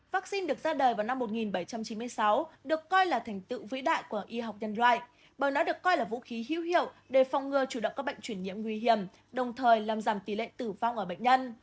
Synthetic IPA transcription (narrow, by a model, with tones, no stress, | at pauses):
vaː˦˥k̚si˧nɗɨ˨˩ək̚zaː˧ɗəː˨˩vaː˨˩wna˧mːo˨˩t̚ŋi˨˩nɓə˧˩jt͡ɕa˧mt͡ɕi˨˦nmɨ˧ə˧jsa˨˦wɗɨ˨˩əkːɔ˧jlaː˨˩t̪ʰɛ˨˩jŋ̟t̪ɨ̰˧˨vḭ˧˥ɗa̰ː˧˨jku˧˩əʔi˧ɦa˨˩wk͡p̚ɲə˧nlwa̰ː˧˨jʔ | ɓəː˨˩jnɔ˨˦ɗɨ˨˩əkːɔ˧jlaː˨˩vṵ˧˥xi˨˦ɦḭ˧˥whḭ˧˨əwɗe˧˩fɔ˨˧wŋ͡mŋɨ˧ət͡ɕu˧˩ɗə̰˧˨ŋ͡mkaː˦˥ɓə̰˧˨jŋ̟t͡ɕwi˧˩ənɲḭ˧˨əmŋwi˧ɦi˧˩əm | ɗə˨˩wŋ͡mt̪ʰəː˨˩jlaː˨˩mzaː˧˩mt̪i˨˩lḛ˧˨t̪ɨ˧˩va˧wŋ͡mʔəː˧˩ɓə̰˧˨ŋ̟ɲə˧n